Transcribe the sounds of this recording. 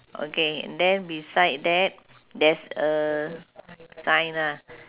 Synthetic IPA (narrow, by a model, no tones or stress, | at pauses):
ʔo̰keɛ̰̃ndɛ̃nbisajd̚dɛt̚ | dɛsə | sãjna